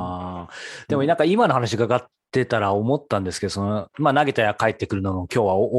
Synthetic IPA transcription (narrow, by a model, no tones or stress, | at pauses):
d̪̥e̞monãŋkaimano̞ɦanaɕiɡaɡat̪ːe̞t̪aɾaomo̞t̪ːãnd̪esɨ̥ke̞d̪o̞sonomaːnaɡe̞t̪ajakaet̪ːe̞kɯ̟ɾɯ̟nonokʲo̞ːβao